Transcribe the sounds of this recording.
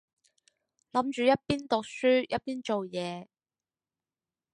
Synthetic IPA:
lɐ˨˥mt͡ʃyː˨jɐ˥t̚piː˥nt̪ʊ˨k̚syː˥jɐ˥t̚piː˥nt͡ʃo˨wjɛː˨˧

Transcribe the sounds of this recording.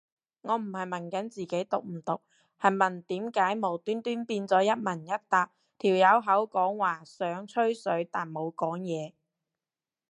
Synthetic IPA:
ŋɔː˨˧m̩˨˩hɐ˨jmɐ˨˩nkɐ˨˥nt͡siː˨ke˨˥jt̪ʊ˨k̚m̩˨˩t̪ʊ˨k̚ | hɐ˨˩jmɐ˨˩nt̪iː˨˥mkaː˨˥jmo˨˩wt̪yː˥nt̪yː˥npiː˧nt͡sɔː˨˥jɐ˥t̚mɐ˨˩njɐ˥t̚t̪aː˧k̚ | t̪ʰiː˨˩wjɐ˨˧wɦɐ˨˥wkɔː˨˥ŋwaː˨˩sœː˨˥ŋt͡sʰɵ˥ɥsɵ˨˥ɥt̪aː˨nmo˨˧wkɔː˨˥ŋjɛː˨˧

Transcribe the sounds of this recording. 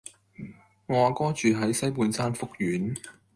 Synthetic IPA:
ŋɔː˨˧˨kɔː˥t͡ʃyː˨ɦɐ˨˥jsɐ˥jpuː˨˧nsaː˥nfʊ˥k̚jyː˨˥n

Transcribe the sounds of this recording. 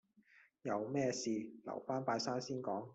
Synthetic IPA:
jɐ˨˧wmɛː˥siː˨˧lɐ̰˨˩wfaː˥npaː˧jsaː˥nsiː˥nkɔː˨˥ŋ

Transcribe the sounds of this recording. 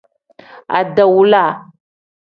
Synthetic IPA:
a̰˨da˨wu˦la˦˨

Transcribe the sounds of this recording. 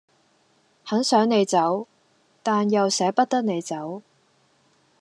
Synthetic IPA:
hɐ˨˥nsœː˨˥ŋne˨˧jt͡sɐ˨˥w | t̪aː˨njɐ˨wsɛː˨˥pɐ˥t̚t̪ɐ˥k̚ne˨˧jt͡sɐ˨˥w

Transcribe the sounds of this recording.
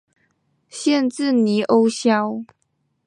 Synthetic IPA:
ɕjɛ˥˨nt͡sɹ̩˥˨ni˨˥ʔo˦˥ʊɕjɑ˦ʊ

